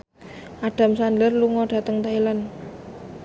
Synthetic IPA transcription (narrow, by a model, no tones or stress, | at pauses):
ʔaɖ̥a̤msandərluŋɔɖ̥a̤t̪əŋt̪ailan